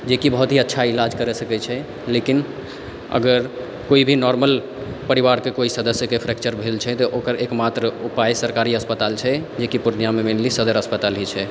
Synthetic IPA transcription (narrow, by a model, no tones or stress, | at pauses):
d͡ʒekibəɦut̪ɦiətːʃʰailad͡ʒkəɾesəkɛt͡ʃʰɛ | lekin | ə̰ɡəɾ | koibʱinɔɾməl | pəɾiβaɾkekoisəd̪əsjəkepʰɾɛk̚t͡ʃəɾbʱelt͡ʃʰɛt̪ɔʔokəɾekmat̪ɾəupajsəɾkaɾiəspət̪alt͡ʃʰɛd͡ʒekipuɾnijamemenlisəd̪əɾəspət̪alɦit͡ʃʰɛ